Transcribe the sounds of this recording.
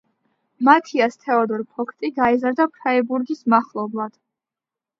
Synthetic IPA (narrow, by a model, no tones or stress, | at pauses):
mat̪ʰiast̪ʰɛɔd̪ɔɾpʰɔkʰt̪ʼiɡaizaɾd̪apʰɾaibuɾɡismaχlˠɔblˠad̪̥